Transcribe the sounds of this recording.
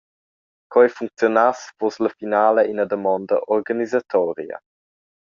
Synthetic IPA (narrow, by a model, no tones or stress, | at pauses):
kɔjfuŋk̚t͡sjonasvosləfinaːləinəd̪əmɔnd̪ə̰ʔɔɾɡanizat̪ʰɔɾjə̰